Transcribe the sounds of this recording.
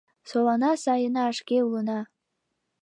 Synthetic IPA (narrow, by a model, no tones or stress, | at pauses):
solˠɑnɑsɑjənɑːʃkʲeulˠə̆nɑ